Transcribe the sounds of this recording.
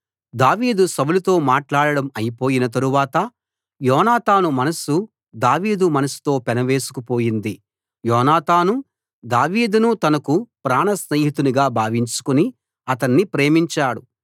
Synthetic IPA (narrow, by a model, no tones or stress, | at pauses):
d̪aːʋiːd̪usɐbulut̪o̞ːmaːʈlaːɽɐɽɐmɐjipo̞ːjinɐt̪ɐɾuʋaːt̪ɐ | jɔːnaːt̪aːnumɐnɐsu | d̪aːʋiːd̪umɐnɐsu̥t̪o̞ːpɛnɐʋe̞ːsu̥kupo̞ːjind̪i | jɔːnaːt̪aːnu | d̪aːʋiːd̪unut̪ɐnɐkupɾaːnɐsneːɦit̪uniɡaːbʱaːʋiɲt͡ʃu̥kuni | ɐt̪ɐnːipɾe̞ːmiɲt͡ʃaːɽu